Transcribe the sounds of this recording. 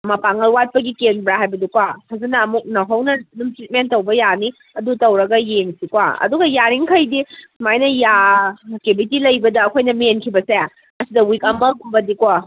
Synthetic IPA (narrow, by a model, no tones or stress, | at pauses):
mɐpaŋɐlwat̚pɐɡikenbɾaɦajbɐdukwahʰɐzɐnɐːmuk̚nɐɦɐwnɐnumtɾit̚mentːɐwbɐjani | ɐdutɐwɾɐɡɐjeŋsikwa̰ɐ̰duɡɐjaɾiŋkʰɐjdimajnɐjaek̚tibʱitilɐjbɐdɐːkʰojnɐmenkʰibɐse | ɐsidɐwikɐmbɐkumbɐdikwa